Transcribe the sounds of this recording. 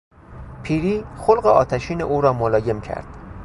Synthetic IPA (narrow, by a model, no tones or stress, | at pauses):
pʰiːɾiːxolɢeʔɒ̰ːt̪ʰæʃiːnḛʔuːɾɒːmolɒːje̞mcʰæ̰ɾd̪̥